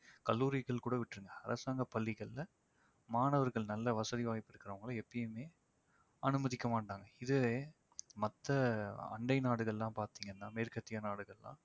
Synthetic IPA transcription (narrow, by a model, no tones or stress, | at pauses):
kɐlːuːɾɪɣɐɭkuːɽɐʋɪʈːɾɯŋɡɐɐɾʔɐsaːŋɡɐpːɐlːɪɣɐɭlɐ | maːnɐʋɐɾɣɐɭnɐlːɐʋɐsɐðiʋaːɣɪpːɪɽɯkːɪɾɐʋɐŋɡɐɭɐɛpːɐjɯmeː | ɐnɯmɐðɪkːɐmaːʈːaːŋɡɐɪðɯe | mɐt̪ːɐɐ̰ɳɖɐɪnaːɽɯɣɐɭlãːpaːɾt̪iːŋɡɐnːaːmeːɾkɐt̪ːɪjɐnaːɽɯɣɐɭlã̰ː